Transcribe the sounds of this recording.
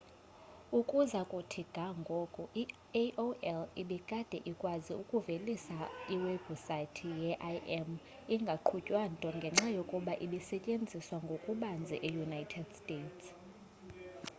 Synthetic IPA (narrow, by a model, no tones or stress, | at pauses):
ukʼuzakʼutʰiɡ̥ʱaŋɡʱɔkʼɔʔi | ʔoʔɛliɓikʼad̥ʱɛ̰ʔikʼwaziukʼuvelisaiwebusatʰijɛʔajʔɛm | iŋɡʱaǃʰucʼwantʼɔŋɡʱɛŋ͡ǁajokʼuɓaʔiɓisɛcʼend͡zʱiswaŋɡʱokʼuɓand͡zʱɛ̰ʔejunajtʰɛd̥stʼeːtʰs